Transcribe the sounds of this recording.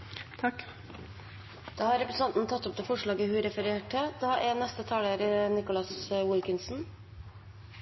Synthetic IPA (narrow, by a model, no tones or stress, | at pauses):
t̪ʰɑk | d̪̥ɑːhɑɾɛpɾəsɑnt̪n̩t̪ʰɑt̪ːɔp̚d̪ɛːfɔʂɭɑːɡəhʉɾɛfəɾeːʈəd̪̥ɑːʔɛnɛst̪ət̪ʰɑːləɾnɪkʊlɑswɪlkɪnsn̩